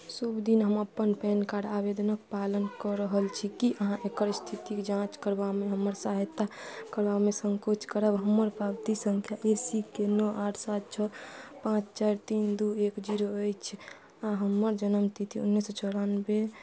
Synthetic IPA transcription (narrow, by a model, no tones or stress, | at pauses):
subd̪inɦəməpːənpɛnkaɽabed̪ənəkpalənkəɾəɦəlt͡ʃʰikiʔəɦãʔekəɾst̪ʰit̪iked͡ʒãt͡ʃkəɾbameɦəmːəɾsaɦət̪ːakəɾbamesəŋkot͡ʃkəɾəbɦəmːəɾpɾabt̪isəŋkʰjaʔesikenɔʔaʈʰsat̪̚t͡ʃʰɔpãt͡ʃt͡ʃaɾt̪ind̪uekd͡ʒiɾoəjt͡ʃʰ | aɦəmːəɾd͡ʒənəmst̪ʰit̪ʰiṵnːisət͡ʃʰəɾanbe